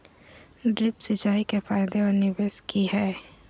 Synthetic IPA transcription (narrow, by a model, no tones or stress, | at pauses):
ɖɾɪpsɪt͡ʃaːikefaːɪd̪eɔːɾnɪbeːskiɦɛː